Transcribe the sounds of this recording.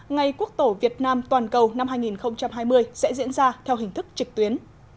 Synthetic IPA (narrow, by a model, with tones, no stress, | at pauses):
ŋa˨˩jku˦˥ək̚t̪o˧˩vi˨˩ət̚naː˧mt̪waː˨˩nkə˨˩wna˧mɦaː˧jŋi˨˩nxə˧wŋ͡mt͡ɕa˧mɦaː˧jmɨ˧əjsɛ̰˧˥zḭ˧˥ənzaː˧t̪ʰɛ˧wɦï˨˩ŋ̟t̪ɨ˦˥k̚t͡ɕɨ˨˩k̚t̪wi˨˦ən